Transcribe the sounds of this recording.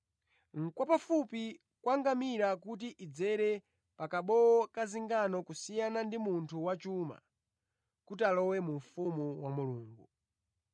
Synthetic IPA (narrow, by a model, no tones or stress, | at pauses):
ŋ̩kwapafupi | kwaŋɡamiɾakut̬iʔid͡zɛɾɛ | pakaɓɔɔkaziŋɡanɔkusijanandimuntʰuwat͡ʃuma̰ | kutalɔwɛmuɱfumuwamuluːŋɡu